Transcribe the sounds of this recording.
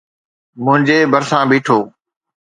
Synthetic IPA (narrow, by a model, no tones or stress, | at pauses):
mʊ̃ɦɪ̃ɲd͡ʑeːbʱəɾsãːbiːʈʰoː